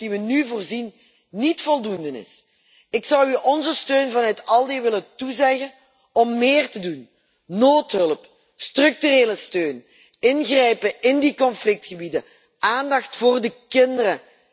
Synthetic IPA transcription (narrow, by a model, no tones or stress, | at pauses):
diʋənyvoːrzinː | itfɔlˠdundənɪ̰s | ɪksɑwyʔɔnzəstøːnvɑnœɥtɑlˠdeʋɪləntuzɛɣən | ɔmːɪːrtədun | noːtɦɵləp | strɵk̚tyreːləstøːn | ɪnɣrɛjpəɪndikɔnflɪk̚txəbidə | ʔaːndɑxtfoːrdəkɪndərə